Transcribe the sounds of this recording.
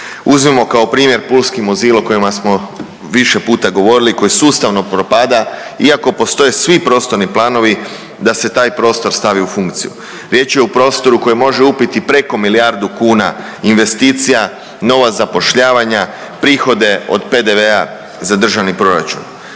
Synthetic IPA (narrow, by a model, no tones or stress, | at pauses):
uzmimo̞kao̞pɾiːmje̞ɾpulˠskimoziːlˠoko̞jimasmo̞ | ʋiʃe̞puːt̪aɡo̞ʋo̞ɾiliko̞jisuːst̪aʋno̞pɾopad̪aiako̞po̞st̪o̞jesʋipɾo̞ːst̪o̞ɾniplˠaːno̞ʋi | d̪ase̞t̪aːjpɾo̞ːst̪o̞ɾst̪aʋiufuŋkt̪siju | ɾje̞t͡ʃje̞upɾo̞ːst̪o̞ɾuko̞jimo̞ʒeupit̪ipɾe̞ko̞milijaɾd̪ukuːna̰ | inʋe̞st̪iːt̪sija | no̞ʋazapo̞ʃʎaːʋaɲa | pɾiːxo̞d̪e̞o̞̰d̪pe̞d̪e̞ʋe̞a | zad̪r̩ʒaʋnipɾo̞ɾa̰t͡ʃṵn